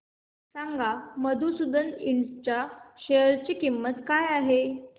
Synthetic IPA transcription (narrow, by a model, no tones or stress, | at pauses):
saŋɡʱaməd̪ʱusud̪əniɳst͡ɕaɕejəɾt͡ɕiːkimːət̪kajaɦe